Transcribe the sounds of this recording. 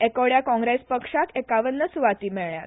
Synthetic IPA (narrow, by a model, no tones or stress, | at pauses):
ekoɽjakɔ̃ŋɡɾespəkʂakekaʋənːəsuʋat̪iːmɛɭɳja̰t̪